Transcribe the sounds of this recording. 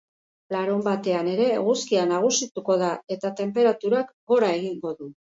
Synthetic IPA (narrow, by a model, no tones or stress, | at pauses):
laɾombat̪e̞ane̞ɾe̞ɣuskianaɣ̞usit̪uko̞ðae̞t̪at̪e̞mpe̞ɾat̪uɾakɡo̞ɾae̞ɣiŋɡo̞ðu